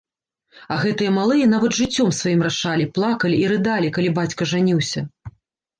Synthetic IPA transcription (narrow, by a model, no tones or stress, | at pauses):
ɐɣɛt̪ɨjɐmalˠɨjɐn̪avɐd̪ʐɨt͡sʲːɔmsvajimraʂalʲiplˠakɐlʲiːɾɨd̪alʲikalʲibat͡sʲkɐʐanʲiwsʲɐ